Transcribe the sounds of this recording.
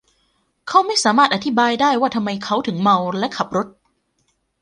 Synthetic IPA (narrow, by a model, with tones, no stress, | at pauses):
kʰa˦˥wma˥˩jsaː˩˦maː˥˩t̪̚ʔa˧t̪ʰi˦˥baː˧jdaː˥˩jwaː˥˩t̪ʰa˧mːa˧jkʰa˦˥wt̪ʰɯ˩˦ŋma˧wlɛ˦˥ʔkʰa˨˩p̚ɾo˦˥t̪̚